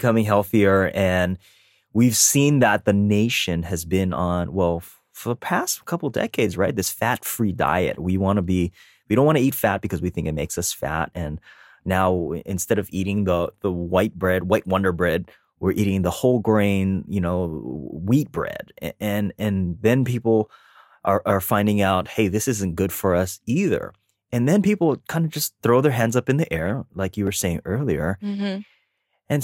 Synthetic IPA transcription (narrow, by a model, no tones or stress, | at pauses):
kʰʌmɪ̃ŋɦɛlˠθiə˞ɨ̃n | wiv̥sĩnðət̪̚ðɨneɪʃɨ̃nɨzbɪ̃nə̃nwɛlˠ | fə˞ðəpʰæstkʰʌpl̩ˠdɛ̰keɪdzɹaɪt̪̚ðɪsfætfɹida̰ɪɨ̰t̚wiwɑ̃nəbi | wiɾõntwɑñɨitfæt̚b̥ɨkʰʌzwiθɪ̃ŋkɨt̚meɪksʌsfæ̰ɾ̚ɨ̃nː | aʊɨ̰̃nstɛɾʌviɾɪ̃ŋðəðəwaɪt̚b̥ɹɛd̚waɪʔ̚wʌ̃ndə˞bɹɛd̚ | wɪɹʔiɾɪ̃ŋðəhoʊlˠɡɹẽɪ̃njɨnoʊwit̚b̥ɹɛ̰d̥ɨ̃nɨ̃nðɨ̃npipl̩ˠ | ʔə˞ʔə˞fãɪ̃ndɪ̃ŋaʊt̚heɪðɪsɪzɨ̃nɡ̥ʊd̥fə˞ʌsiðə̰˞ | ɨ̃nðɨ̃npipl̩ˠkʰãɪ̃ndɨd͡ʒʌsθɹoʊðə˞ɦæ̃ndzʌpɨ̃nðiʔɛɹlaɪkjɨwə˞seɪɪ̃ŋɜ˞lˠiə̰˞ | ɨ̃n